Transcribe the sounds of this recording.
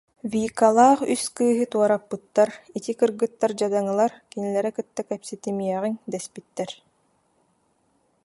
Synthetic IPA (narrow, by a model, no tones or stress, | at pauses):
viːkalˠaːχyskɯːɦɯt̪uɔɾapːɯt̪ːaɾit̪ikɯɾɡɯt̪ːaɾd͡ʑad̪aŋɯlˠaɾkinilɛɾɛkɯt̪ːakɛpsit̪imiɛʁiŋd̪ɛspit̪ːɛɾ